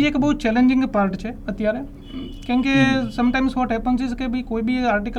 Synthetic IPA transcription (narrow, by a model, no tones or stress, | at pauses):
ieːkbɔːt̪t͡ʃɛːlẽɲd͡ʒɪ̃ŋɡpaːɾʈt͡ʃʰɛɐt̪ɪjaːɾɦɛ | kjõːkesɐ̃mʈãːɪmsʋɔːʈɦɛpə̃nt͡ʃɪzkebikoːibʱiaːɾʈikə